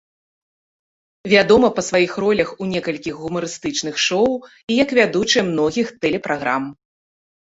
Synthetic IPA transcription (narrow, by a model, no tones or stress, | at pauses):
vʲad̪ɔmɐpɐsvajixrɔlʲɐxunʲɛkɐlʲkʲixɣumɐɾɨst̪ɨt͡ʂnɨxʂɔw | ijɐkvʲad̪ut͡ʂɨɛmnɔɣʲixt̪ɛlʲɛpɾaɣɾa̰m